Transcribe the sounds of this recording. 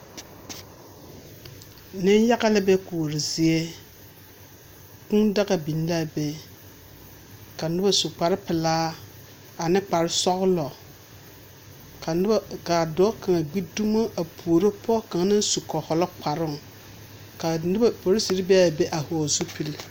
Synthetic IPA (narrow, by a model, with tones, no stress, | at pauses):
nɪ˦n˦ja˦ɣa˦lɪ˦bɛ˦ku˨ɾɪ˨zɪ˨e˦ | kʊ˦ŋda˦ɣa˨bi˨n˦la˦be˦ | ka˨nʊ˦ba˦su˨k͡pa˨ɾɪ˦pɪ˨laː˦ | a˨nɪ˦k͡pa˨ɾɪ˦sɔ˦ɣʊ˦lɔ˨˦ | ka˨dɔː˦ka˨ŋa˨ɡ͡bi˦du˦ma˦ʔa˨pʰu˨o˨ɾo˦pʰɔ˦ka˨ŋ˨˦nɪ˦n˦su˨kɔ˨hɔ˨lɔ˦k͡pa˨ɾɪ˦˨ŋ˨ | ka˨n˦po˨ɾɪ˦si˨ɾɪ˦bɛ˦a˨be˦ʔa˨hʊ˨zʊ˦pi˦l